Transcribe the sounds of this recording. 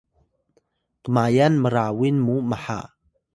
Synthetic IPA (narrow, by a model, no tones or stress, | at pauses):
təmajanməɾawinmuməħa̰ʔ